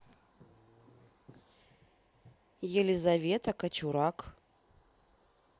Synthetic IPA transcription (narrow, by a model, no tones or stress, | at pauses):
jɛlʲɪzɐvʲet̪ɐkɐt͡ɕuɾak